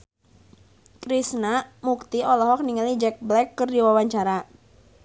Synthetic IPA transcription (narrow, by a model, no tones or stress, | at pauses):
kɾisnamuk̚t̪iɔlɔɦɔk̚niŋalid͡ʒɛk̚blɛkːɨrdiwawaɲt͡ʃaɾa